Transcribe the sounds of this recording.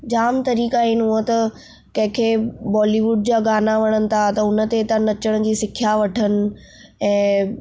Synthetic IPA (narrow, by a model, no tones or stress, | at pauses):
d͡ʑaːmt̪ɐɾiːkaːiːnɦũət̪ɐ | kɐ̃ɦɪ̃kʰeːbɔːliːʋʊɖd͡ʑaːɡaːnaʋɐɽ̃ənɪ̆t̪ʰat̪ɐʊnə̆t̪et̪ɐnɐt͡ɕəɽ̃d͡ʑiːsɪkʰijaʋɐʈʰənɪ̆ | ɛ̃ː